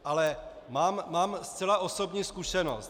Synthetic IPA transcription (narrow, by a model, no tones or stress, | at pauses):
ʔalɛ | maːmːaːmst͡sɛlaʔo̞sobɲiːskuʃɛno̰st̪